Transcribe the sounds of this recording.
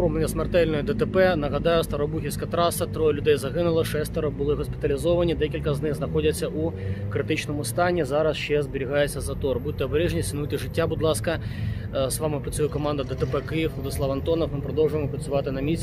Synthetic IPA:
ɾumenʲɛsmert̪ɛlʲnɔjʊd̪ɛt̪ɛpɛnɐɦɐd̪ɑjʊst̪ɐɾɔbuxʲisʲkɐt̪ɾɑsɐt̪ɾɔjʊlʲʊd̪ɛjzɐɦɪnʊlˠɐʂɛsʲt̪ɐɾɔbʊlˠɪɦɔspʲɪ̥t̪ɐlʲizɔʋɐnʲid̪ɛkʲilʲkɐznɪxznɐxɔdʲɐt͡sʲːɐʔukɾɪt̪ɪt͡ʃnɔmʊst̪ɑnʲːizɑɾɐsʃt͡ʃɛzbɪɾʲiɦɑjet͡sʲːɐzɐt̪ɔrbut̪ːɛɔbeɾɛʒnʲisʲɪnut̪ɪʐɪtʲːabud̪lˠɑskɐ | zʋɑmɪpɾɐt͡sʲujɛkɔmɑnd̪ɐd̪ɛt̪ɛpɛkɪjiwʋlˠɔd̪ɪslˠɑʋɐnt̪ɔnɐfmɪpɾɔd̪ɔwʐʊjɪmɔpɾɐt͡ssʲʊʋɑt̪ɪnɐmʲisʲ

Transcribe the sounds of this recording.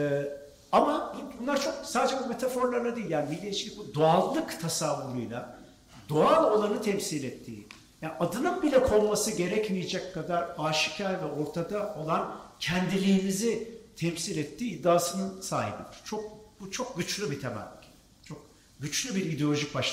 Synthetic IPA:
ɛː | amabubunlˠaɾt͡ʃʰo̞k̚saːd̪ed͡ʒɛbume̞t̪ʰafo̞ɾlˠaɾlˠad̪ijilʲjaːnibilːʲeʃi̥ibud̪oalˠːɯkt̪ʰasavːuɾujlˠa | d̪̥oalˠo̞lˠanɯt̪ʰɛmsilʲɛt̪ʰːḭː | jaːnad̪ɯnɯnbilʲɛkʰo̞lˠmasɯɟe̞ɾɛcmijd͡ʒɛckʰːad̪aɾaːʃi̥cʰaɾvɛʔo̞ɾt̪ʰad̪ao̞lˠancʰɛnd̪ilʲijːmizit̪ʰɛmsiːlʲɛt̪ʰːiːd̪ːaːsɯnɯnsa̰ːɦḭbḭt͡ʃʰo̞k̚but͡ʃʰo̞k̚ɟyt͡ʃlʲybit̪ʰemæ̰mʲ | t͡ʃʰo̞k̚ | ɟyt͡ʃlʲybiɾid̪eolʲo̞ʒicbaʃ

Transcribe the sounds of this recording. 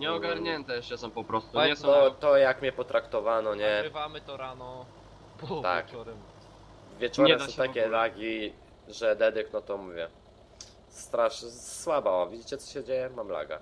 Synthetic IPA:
ɲɛɔɡaɾɲɛnt̪ɛɛsɔmpɔpɾɔst̪uaɛɔt̪ɔjakmʲɲɛpɔt̪ɾakt̪ɔvanɔɲɛvamɘt̪ɔɾanɔ | t̪a̰kɔɾɛ | vʲjɛt͡ʂɔɾɛsɔ̃t̪akʲɛlaɡʲi | ʐɛd̪ɛd̪ɘknɔt̪ɔmuvʲjɛ | st̪ɾaʂswabaɔvʲid͡ʑit͡ɕɛt̪sɔ̥ɕɛd͡ʑejɛmamla̰ɡa̰

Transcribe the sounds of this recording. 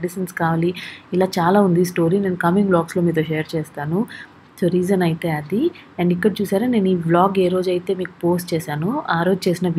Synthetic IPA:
eɖiʃɐnskaːʋaːliilaːt͡ʃaːlaːund̪isʈo̞ːɾiːne̞ːnukɐmiŋɡblaːɡslo̞ːmiːt̪̬oʃeːɐɾt͡ʃeːst̪aːnu | t͡ʃoːɾiːd͡ʒɐnɐjit̪e̞ːɐd̪i | ɛɳɖikːɐɽt͡ʃuːsaːɾane̞ːnuiːblaːɡe̞ːɾo̞ːd͡ʒɐjit̪e̞ːmiːku̥po̞ːsʈt͡ʃeːsaːnuaːɾo̞ːd͡ʒut͡ʃe̞ːsinɐʋ

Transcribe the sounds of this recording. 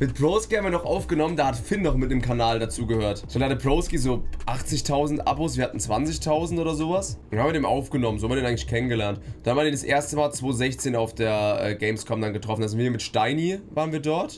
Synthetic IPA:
mɪt̚pʁoʊskihabmviːɐnɔχʔaʊfɡ̥ənɔməndaːhatfɪnːɔχmɪt̚nəmkʰanaːldat͡suːɡəhøːɐtz̥oːdehatːpʁoʊskizoːʔaχt͡sɪçtʰaʊzn̩tʔa̰boːsv̥iːɐhatn̩t͡sv̥ant͡sɪçtʰaʊzn̩tʔoːdɐzoːvasʊnhabmviːədeːnʔa̰ʊfɡ̥ənɔmənzoːhamviɐdeːnaɪŋlɪçkʰɛnənɡəlɛɐntd̥anvaːneːdasʔḛːɐstəmaːlt͡sv̥oːzɛçt͡seːnaʊfd̥eːɐʔɛ̰ːɡeɪmskʰɔbmndanɡətʁ̥ɔfn̩aznviːɐmɪtʃtaɪnivaːʁənviːɐdɔɐt

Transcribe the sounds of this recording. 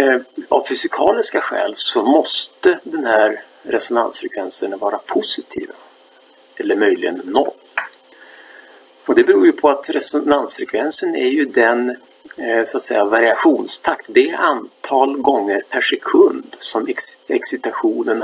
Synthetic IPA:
a̰vfʏsɪkʰɑːlɪskaɧɛ̰ːlsɔmɔst̪əd̪ɛnhæɾ | ɾɛsɔna̰nsfɾɛkʰvɛnsənvɑːɾapʰʊsɪt̪ʰḭːva | ɛlːəɾmœjlɪɡə̰nːɔ̰lː | ɔd̪ɛbɛɾuːɾjɵpʰɔat̪ɾɛsɔnansfɾɛkʰvɛnsənæɾjɵd̪ɛn | sat̪sɛjːavaɾɪaɧuːnst̪ʰakt̪d̪ɛæant̪ʰɑːlɡɔŋːəɾpʰæʂɛkʰɵnd̪sɔmɛɛksɪt̪aɧuːnən

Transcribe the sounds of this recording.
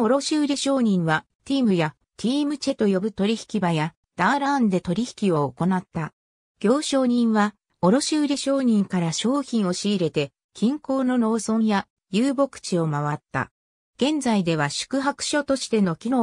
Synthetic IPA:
oɾo̞ɕɨɯɾʲiɕo̞ːɲ̟ĩɰ̃βa | t̪ʲiːmɯ̟ja | t̪ʲʰiːmɯ̟t͡ɕe̞t̪o̞jo̞bɯ̟t̪o̞ɾʲiçi̥kʲibaja | d̪̥aːɾand̪e̞t̪o̞ɾʲiçi̥kʲio̞ːko̞nat̪ːa | ɡ̥ʲo̞ːɕo̞ːɲ̟ĩɰ̃βa | o̞ɾo̞ɕɨɯɾʲiɕo̞ːɲ̟ĩŋkaɾaɕo̞ːçĩɰ̃o̞ɕiːɾe̞t̪e̞ | kʲĩŋko̞ːno̞ɾo̞ːsõ̞ɰ̃ja | jɨːbo̞kɯ̥t͡ɕio̞maβat̪ːa̰ | ɡ̥ẽ̞nd͡zaid̪e̞βaɕɨ̥kɯ̟ɦakɯ̟̥ɕo̞t̪o̞ɕi̥t̪e̞no̞kʲino̞

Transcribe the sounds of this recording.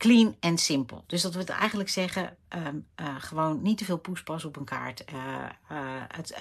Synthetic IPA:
klinɛnsɪmpə̰lˠd̥øsdɑtʋɪlˠɛ̰jχənləksɛχəəəχəʋownːitəvɪːlˠpuspɑsɔpənkʰa̰ːɹtə | ət

